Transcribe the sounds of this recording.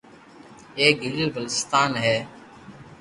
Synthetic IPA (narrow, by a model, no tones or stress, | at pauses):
eːk̚ɡillbəlɪst̪aːnɦɛː